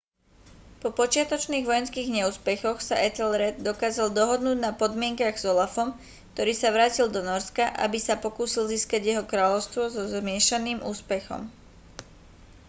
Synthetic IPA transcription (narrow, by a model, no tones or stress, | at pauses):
pɔpɔt͡ʃɪat̪ɔt͡ʃniːɣʋɔjɛnskiːɣɲɛuːspɛxɔxsaʔɛt̪ɛlɾɛd̪d̪ɔkaːzald̪ɔɦɔd̪nuːɟnapɔd̪mɪɛŋkaɣz̥ɔlafɔm | kt̪ɔɾiːsaʋɾaːcild̪ɔnɔɾskaʔa̰bisapɔkuːsilziːskaɟjɛɦɔkɾaːʎɔʊst̪ʋɔzɔzmɪɛʃaniːmuːspɛxɔ̰m